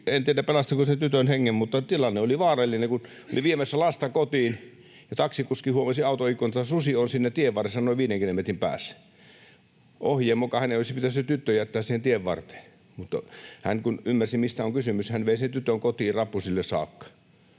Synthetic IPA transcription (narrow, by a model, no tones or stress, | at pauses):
ent̪ieɾæppelɑst̪ikosent̪yt̪ønheŋːemmut̪ːɑt̪ilɑnːeoliʋɑːrɑlːinekun | o̰liʋiːmæsːælɑst̪ɑkot̪iːn | jɑt̪ɑksikuskihuomɑsiɑut̪oikːont̪t̪ɑsusionsinːæt̪ieʋʋɑresːɑnoˑiʋiːdeŋkilomet̪rimpæ̰ːsːæ̥ | ohjeːmːokɑhæneˑolisipit̪æsyt̪yt̪ːøjæt̪ːæːsiːhent̪ieʋʋɑ̰rt̪e̥ | mut̪ːɑhæŋkunymːærsimist̪æoŋkysymyshænʋeˑisent̪yt̪øŋkot̪iːrɑpːusilːessɑ̰ːkːɑ̥